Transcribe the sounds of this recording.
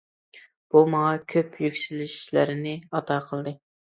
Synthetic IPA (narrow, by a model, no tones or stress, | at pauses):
b̥umɑŋɑkʲʰøpʰjykʲsylɪʃi̥ʃlæ̰ɾɪnɪɑt̪ʰɑːqʰəlˠd̪ɨ